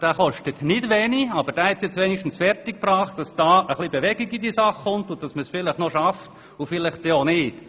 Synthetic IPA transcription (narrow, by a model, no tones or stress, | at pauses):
d̥aːχɔʃtətnɪdʋɛːniɑbəɾd̥aːhɛtsjɛt͡sʋɛːniʃtn̩sfɛrtɪk̚prɑːχt̚d̥ɑsd̥ɑːəχlibeʋɛɡiɡidiəsɑχːʊntʊd̥ɑsməsfɪlɪχnɔʃɑft | ʊfɪlɪχteonɪːt